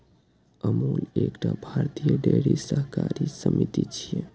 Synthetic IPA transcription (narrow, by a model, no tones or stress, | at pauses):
əmulekʈabʱaɾt̪ijəɖeɽisəɦkaɾisəmit̪it͡ʃʰije